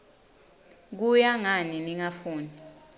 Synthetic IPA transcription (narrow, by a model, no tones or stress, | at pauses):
k̬ujaŋaniniŋafuːni